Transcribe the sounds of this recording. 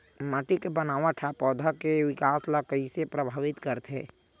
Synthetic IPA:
maʈikebənaːʋaʈʰapɔːd̪ʱakewɪkaːslakəisepɾəbʱaːʋɪt̪kəɾt̪ḛ̃ː

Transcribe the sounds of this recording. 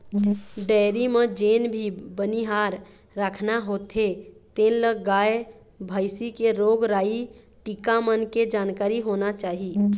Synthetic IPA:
ɖɛɪɾimed͡ʒenbʱibəniɦaɾː | əkʰnaɦot̪ʰet̪ẽnləɡae | bʱəɪsikeɾoɡɾaːi | ʈikamənked͡ʒankaːɾiɦonat͡ʃaːɦi

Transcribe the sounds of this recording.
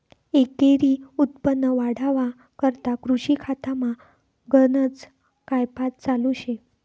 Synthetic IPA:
ekeɾiːut̪̚pənːəʋaɽaʋa | kəɾt̪akɾuɕikʰat̪ama | ɡənət͡s | kajpat̪̚t͡saluɕe

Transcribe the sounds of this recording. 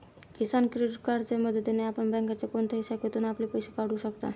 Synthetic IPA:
kisankɾeɖiʈ̚kaɾd͡zeməd̪ʱətːeneapəɳbɛ̃ŋkat͡sekont̪ʰejsakʋet̪uːnaplepəjɕekaɽ̤uːɕəkt̪a̰

